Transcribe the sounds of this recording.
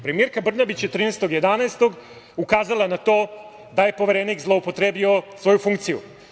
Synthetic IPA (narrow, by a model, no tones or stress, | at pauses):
pɾe̞mieɾkabr̩nabit͡ɕjet̪ɾiːnest̪o̞ɡje̞d̪anaest̪o̞ɡ | ukaːzalˠanat̪o̞ː | d̪aje̞po̞ʋe̞ɾeniːkzlˠo̞upo̞t̪ɾeːbio̞sʋo̞jufuŋkt̪sijṵ